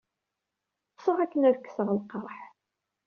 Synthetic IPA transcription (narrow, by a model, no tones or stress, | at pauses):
sˤoʁækːənæðkːsəʁəlqəɾˤħ